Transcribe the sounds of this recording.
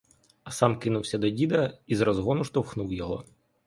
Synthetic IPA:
ɐsɑmkɪnʊwsʲɐd̪ɔdʲid̪ɐizɾɔzɦɔnʊʃt̪ɔwxnuwjɔɦɔ

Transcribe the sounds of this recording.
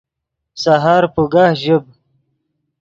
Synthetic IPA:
saɦaːɾpuɡaːhʑəb

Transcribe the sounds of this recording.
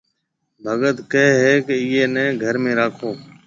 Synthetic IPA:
bʱəɠət̪keɦɦɛːkeiːeːnɛ̃ːɡʱəɾmẽːɾaːkʰoː

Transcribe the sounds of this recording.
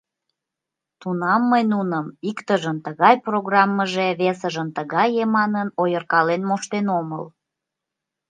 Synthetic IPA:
t̪unɑmːəjnunəmikt̪əʒənt̪əɣɑjproɣrɑmːəʒeβesəʒənt̪əɣɑjemɑnənojərkɑlenmoʃt̪enomə̰l

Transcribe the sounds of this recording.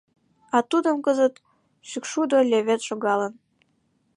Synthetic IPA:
ɑt̪ud̪ə̆mkəzət̪ | ʃykʃud̪olʲeβet̪ʃoɣɑlən

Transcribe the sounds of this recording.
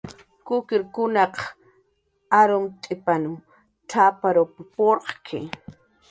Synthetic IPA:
kʊkɪɾkʊnɑq | aɾʊmt̪ʼɪpanʊm | ʈ͡ʂʰapaɾopɪpoɾqkʰɪ̰

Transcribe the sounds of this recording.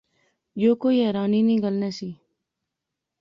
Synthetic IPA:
joːkoːiːɦɛːɾaːniːnĩːɡəlneːsiː

